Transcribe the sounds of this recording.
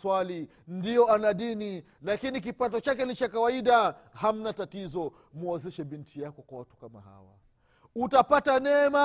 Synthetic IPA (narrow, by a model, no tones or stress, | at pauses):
swali | ndijɔanaɗini | lakinik̬ipatɔt͡ʃakɛlit͡ʃakawaiɗaham̩natatizɔ | muɛzɛʃɛɓintʰijakɔkwawatu̥kama̰ha̰wa̰ | utapatanɛma